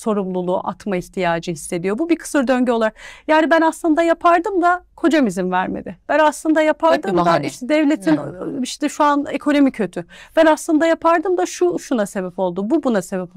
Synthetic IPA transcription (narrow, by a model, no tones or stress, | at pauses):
so̞ɾumlˠulˠuʔa̰t̪maiçt̪ʰijaːd͡ʒɯhisːe̞d̪ijo̞bubikʰɯ̥sɯɾd̪ø̞ɲɟɛo̞lˠaɾjaːnibænaslˠɯnd̪ajapʰaɾd̪ɯmd̪akʰo̞d͡ʒamizimvæɾme̞̰d̪ɪb̥ænaslˠɯnd̪ajapʰaɾd̪ɯmd̪aiʃt̪ɛd̪ɛvlʲe̞t̪ʰiniʃt̪ɛʃuanekʰo̞no̞micʰø̞t̪ʰyb̥ænaslˠɯnd̪ajapʰaɾd̪ɯmd̪aʃuʃunase̞bɛpo̞lˠd̪ububunase̞bɛpo